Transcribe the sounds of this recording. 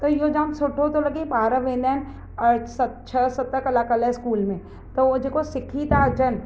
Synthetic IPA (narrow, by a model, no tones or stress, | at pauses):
t̪ojod͡ʒãːnsʊʈʰːot̪olɐɡepaːɾəʋẽːnd̪en | ɐɾsɐt̪t͡ʃʰɐsɐt̪ːəkɐlaːkɐlɛskuːlmẽ | t̪od͡ʒekosɪkʰit̪aːd͡ʒɐn